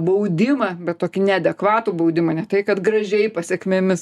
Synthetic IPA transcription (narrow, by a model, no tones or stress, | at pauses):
bɐʊd̪ʲɪmɐbʲɛt̪toːkʲɪnʲɛɐd̪ʲɛkʋɑːt̪uːbɐʊd̪ʲɪmɐnʲɛt̪ɐɪkɐt̪ɡɾɐʒʲɛɪpɐsʲɛkmʲemʲɪs